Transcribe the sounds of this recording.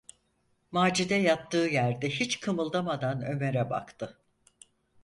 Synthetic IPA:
maːd͡ʒid̪ɛjat̪ːɯːjæɾd̪ɛɦit͡ʃkʰɯmɯlˠd̪amad̪anø̞meɾɛba̰kt̪ʰɯ

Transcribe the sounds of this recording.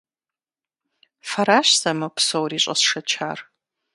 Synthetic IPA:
faɾaʃsamɨpʰsowrit͡ʃʼɐ̰sʂɐt͡ʃʰar

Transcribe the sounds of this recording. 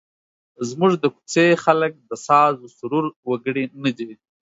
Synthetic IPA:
zmuʐd̪əku̥t͡sexalək̚d̪əsɑzosʊɾuɾwaɡəɽenəd̪i

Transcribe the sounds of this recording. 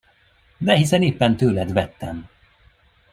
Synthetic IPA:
d̪ɛɦisɛneːpːɛnt̪øːlɛd̪vɛt̪ːɛm

